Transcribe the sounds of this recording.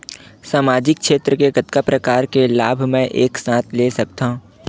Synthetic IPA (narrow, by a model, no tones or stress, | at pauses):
saːmaːd͡ʒɪk̚ʃeːt̪ɾəkeɡɐt̪kapɾɐkaːɾkelaːbʱmɛ̃ʔeːksãːt̪ʰlesɐk̚t̪aɦũ